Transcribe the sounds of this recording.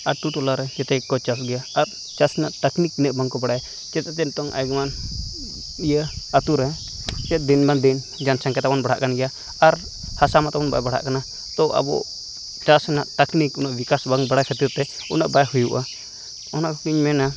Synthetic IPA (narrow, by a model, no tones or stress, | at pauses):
at̪ut̪ɔlaɾɛd͡ʒɛt̪ɛkːɔt͡ʃasɡɛjaːɾ | t͡ʃasnaʔt̪akniknəʔbaŋkɔbaɽaja | t͡ʃɛt̪ɛt͡ʃɛnt̪ɔŋʔa̰jɡman | ijəat̪uɾɛ | t͡ʃɛt̪̚d̪inmand̪in | d͡ʒansãŋkɛt̪abɔnbaɽ̤aʔkanɡɛja | aɾ | hasamat̪abɔnba̰jbaɽ̤a̰ʔkana | t̪ɔʔa̰bɔ̰ | t͡ʃasnaʔt̪aknikunaʔbikasbaŋbaɽajkʰat̪iɾt̪ɛ | unaʔbajhujuʔa | ɔnaʔkɔkiɲmɛna